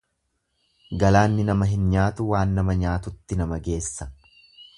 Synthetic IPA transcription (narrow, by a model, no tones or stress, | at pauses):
ɡɐlaːnːɪnɐmɐɦɪnɲaːt̪ʊwaːnːɐmɐɲaːt̪ʊt̪ːɪnɐmɐɡe̞ːsːɐ